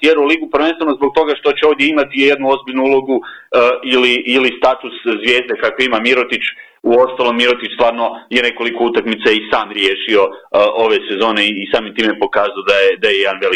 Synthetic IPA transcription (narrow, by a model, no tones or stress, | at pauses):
t̪jeɾulˠiɡupɾʋenst̪ʋeno̞zbo̞ɡ̚t̪o̞ɡaʃt̪o̞t͡ɕeo̞ʋd̪je̞imat̪ije̞d̪nuo̞zbiʎnuulˠo̞ɡu | iliʔːlist̪at̪uszʋje̞ːzd̪ekakoimamiɾot̪it͡ʃ | uo̞st̪alˠo̞mːiɾot̪it͡ʃst̪ʋaːɾno̞jene̞ko̞likout̪akmit̪saisaːmɾjeːʃio̞o̞ʋe̞se̞zo̞ːneiːsaːmimt̪iːmepo̞kaːzaod̪ajed̪ajejed̪anʋeli